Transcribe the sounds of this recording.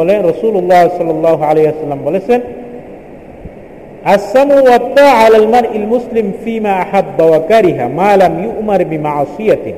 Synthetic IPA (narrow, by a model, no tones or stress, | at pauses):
laɾˤɑsˤuːlʊlˤːɑːhsˤɑlːɑlˤːɑːɦʕalajhwasalːamwalasan | ʔasːamuːwɑt̪ˤːɑːʕalaːlmanʔalmʊslɪmfiːmaːʔaħabːawakaɾɪɦamaːlamjʊʔmɑɾˤbɪmɑʕɑːsˤɨja